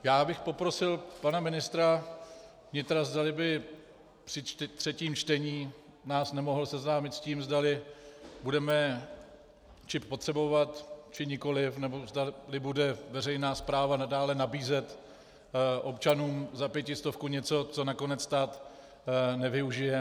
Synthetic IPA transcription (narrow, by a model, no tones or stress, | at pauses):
jaːbɪxpo̞pɾo̞sɪlpanamɪnɪst̪ɾa | vɲɪt̪ɾazdalɪbɪ | pr̥ɪt̪r̝̥ɛciːmt͡ʃt̪ɛɲiː | naːsnɛmo̞ɦl̩sɛznaːmɪt̪sciːmzdalɪbudɛmɛ | t͡ʃɪppo̞t̪r̥ɛbo̞vat̪t͡ʃɪɲɪko̞lɪfnɛbo̞zdalɪbudɛvɛr̝ɛjnaːspɾaːvanadaːlɛnabiːzɛt̪ | ʔo̞pt͡ʃanuːmzapjɛcɪst̪o̞fkuɲɛt͡so̞t͡so̞nako̞nɛt͡sst̪aːt̪ | nɛvɪuʒɪjɛ